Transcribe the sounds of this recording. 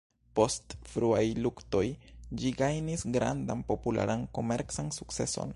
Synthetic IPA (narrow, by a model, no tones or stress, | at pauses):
po̞stfɾuajlukto̞jd͡ʒiɡajnisɡɾa̰ndanpo̞pula̰ɾanko̞me̞ɾt͡sansuk̚t͡se̞so̞̰n